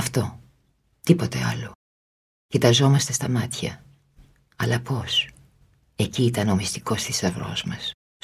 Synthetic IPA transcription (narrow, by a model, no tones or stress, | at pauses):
ɐft̪o̞ | t̪ipo̞t̪e̞̰ɐ̰lo | çit̪ɐzo̞mɐst̪e̞st̪ɐmɐt̪çɐ | ɐlɐpo̞s | e̞ciːit̪ɐno̞mist̪i̥ko̞st̪isɐvɾo̞̰zmɐs